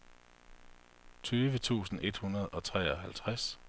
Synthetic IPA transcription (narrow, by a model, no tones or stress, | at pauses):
t͡sʰyːʋət͡sʰṵːsn̩ʔe̝d̥hunɐð̞̩ˠɒ̽t͡sʰʁɛ̰ːɒ̽ɦælt͡sʰʁas